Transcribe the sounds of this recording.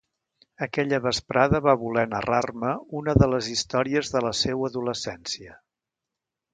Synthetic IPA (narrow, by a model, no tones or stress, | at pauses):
əkɛʎəβəspɾaðəβaβulɛnərarməunəðələzist̪ɔɾiəzðələsewəðuləsɛnsiə